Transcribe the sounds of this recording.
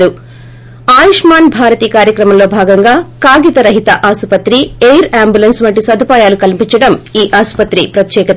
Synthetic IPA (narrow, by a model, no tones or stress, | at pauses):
ɾu | aːjiʂmaːnbʱaːɾɐt̪iːkaːɾjɐkɾɐmɐmlo̞ːbʱaːɡɐŋɡaːkaːɡit̪ɐɾɐɦit̪ɐʔaːsupɐt̪ɾiejɾaːmbjulɐnsʋɐɳʈ̬ːisɐd̪ʱupaːjaːlukɐlipiɲt͡ʃɐɽɐmiːʔaːspɐt̪ɾipɾɐt̪jɛːkɐt̪